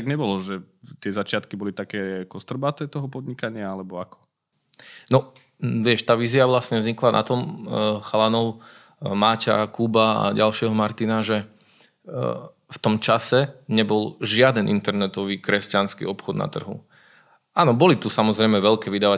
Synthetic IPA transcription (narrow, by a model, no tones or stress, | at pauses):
t̪aɡɲɛbɔlɔʒɛt̪ɪɛzat͡ʃɪat̪kibɔlit̪akɛːkɔst̪r̩bat̪ɛt̪ɔɦɔpɔd̪ɲikaɲɪaalɛbɔakɔ̥ | nɔ | ʋɪɛʃt̪aːʋiːziaʋlasɲɛvzɲiklana̰t̪ɔmxalanɔʊ | maːca̰kuːbaa̰ɟalʃɪɛɦɔmaɾt̪inaʒɛ | ft̪ɔmt͡ʃasɛɲɛbɔlʒɪad̪ɛnʔḭnt̪ɛɾnɛt̪ɔʋiːkɾɛscanskḭɔpxɔd̪na̰t̪r̩ɦṵ | aːnɔbɔlit̪usamɔzɾɛjmɛʋɛʎkɛːʋid̪aːʋa